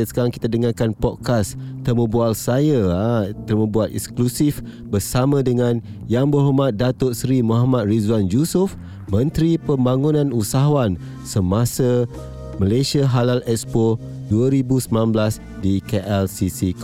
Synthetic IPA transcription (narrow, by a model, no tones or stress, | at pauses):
sə̥kaɾaŋki̥t̪adəŋarkanpɔd̚kast̪əmə̃bualsajaat̪ərmə̃buat̪ɛ̰ksklusif | bərsamãdəŋãn | jaŋbərɦomat̪̚dat̪ʊʔsɾimõɦamat̪̚rizwand͡ʒusʊf | mə̃nt̪ɾipəmbaŋunãnusaɦaan | səmasa | məlasiaɦalalɛkspɔ | duaɾibusəmnanblas | dikeʔɛlsisik